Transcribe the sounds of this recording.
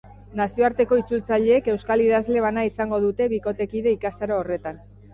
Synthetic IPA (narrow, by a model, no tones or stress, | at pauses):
nasio̞aɾt̪e̞ko̞it͡sult͡saʎe̞ːke̞wskaliðazle̞βanaisaŋɡo̞ð̞ut̪e̞βiko̞t̪e̞kiðe̞ikast̪aɾoːre̞t̪an